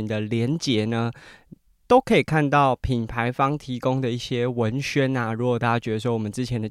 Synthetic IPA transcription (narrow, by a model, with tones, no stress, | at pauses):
nd̪ə˨ljɛ˧˦nt͡ɕjɛ˧˥nə˧ | t̪o˥ʊkʰɤ˧˥i˨˩kʰa˥˧nt̪ɑ˥˩ʊpʰi˨˩npʰa˧˦ɪfɑ˥ŋt̪ʰi˧˥kʊ˥ŋd̪ə˨i˥˩ɕjɛ˥wə˧˦nɕɥɛ˥˦na˨ɻu˧˥kɔ˨˩t̪a˥t͡ɕa˥t͡ɕɥɛ˧˥d̪ə˧˩swɔ˥wɔ˨mə˦nt͡sɻ̩˥t͡ɕʰjɛ˧˦nd̪ə˨